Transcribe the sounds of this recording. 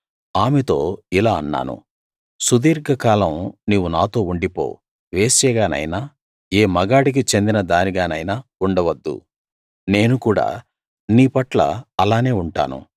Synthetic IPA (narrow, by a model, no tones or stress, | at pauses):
aːmet̪o̞̰ːilaːɐnːa̰ːnṵ | sud̪iːɾɡɐkaːlɐmniːʋunaːt̪o̞ːuɳɖipo̰ː | ʋe̞ːsɛːɡaːnɐ̰jnaː | eːmɐɡaːɽik̬it͡ʃe̞nd̪inɐd̪aːniɡaːnɐjnaːuɳɖɐʋɐd̪ːṵ | neːnukuːɽa̰ː | niːpɐʈlɐ̰ɐlaːne̞ːuɳʈa̰ːnṵ